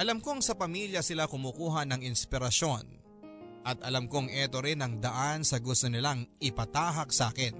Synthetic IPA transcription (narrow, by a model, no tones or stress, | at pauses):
ʔɐlɐmkoŋsɐpɐmiljɐsɪlakʊmukuːɦɐnɐŋɪnspɪɾɐʃo̞n | ʔɐt̪ʔɐlɐmkoŋʔɛt̪o̞ɾɪnɐŋd̪ɐʔansɐɡʊst̪onɪlaŋɪpɐt̪aːɦɐk̚saːkɛn